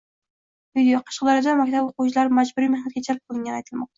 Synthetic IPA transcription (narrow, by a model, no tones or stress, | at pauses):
vid̪ijoqʰɑ̥ʃqlˠɑɾɨd̪ɑmɛkʲt̪ʰɛboqut͡ʃʰilˠɑɾmɛd͡ʒbuɾijmɪhnɛt̪̚ʲɡʲɛt͡ʃʰɛɾp̚qʰolˠɨŋʲɛnɛjt̪ʰɨlˠmɑq̚t̪ʰɑ